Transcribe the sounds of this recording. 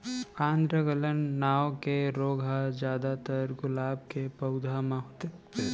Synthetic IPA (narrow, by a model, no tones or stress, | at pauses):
ãːnd̪ɾəɡələnːaːokeɾoːɡʱad͡ʒjaːd̪at̪əɾɡʊlaːb̚kepɐʊd̪ʱamãɦoːt̪eː